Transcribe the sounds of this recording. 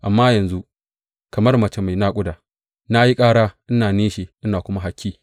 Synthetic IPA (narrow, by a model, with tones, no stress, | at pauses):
ʔa˨mːaː˦jɐ˨nzu˦ | kɐ˨mɐ˦rmɐ˨t͡ʃe˦ma˨jna˦kʷʼʊ˦daː˨ | na˦ji˦kʼaː˦ɽaː˦ʔɪ˦naː˨neː˦ʃeː˨ʔɪ˦naː˨kʷʊ˦ma˦ɦa˦kʲːiː˦